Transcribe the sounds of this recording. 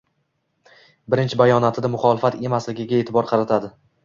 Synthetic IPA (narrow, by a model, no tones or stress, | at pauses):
bɪɾɪnt͡ʃʰɪbajɒnat̪ʰɪd̪amʊχɒlɪfat̪e̞maslɪɡʲɪɡʲaet̪ʰɪbɒɾqʰɑɾat̪ʰad̪ɪ